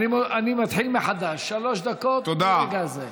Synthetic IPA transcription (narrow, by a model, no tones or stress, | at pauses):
imanimat̪ħilmeħad̪aʃːaloʃd̪akot̪t̪od̪aɡaze